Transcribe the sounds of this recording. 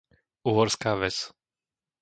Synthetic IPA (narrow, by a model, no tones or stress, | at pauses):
uːɦɔɾskaːʋɛt͡s